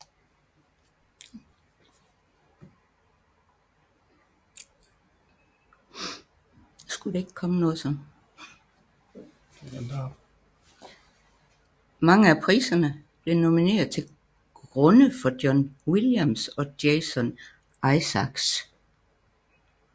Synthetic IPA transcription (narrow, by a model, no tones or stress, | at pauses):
sɡ̥ud̥ee̝ɡ̥ə̥kʰɒ̽mənɔ̽ːð̩ˠsɒ̽m | mɑ̈ŋəæpʰʁḭːsɐnəb̥le̝no̝mine̝̰ːɐð̩ˠt͡sʰe̝l | ɡ̥ʁɔnəfɒ̽d̥jɒnwiljæmsɒ̽d̥eːsɔn | ʔɑ̈ɪsɑɡ̥s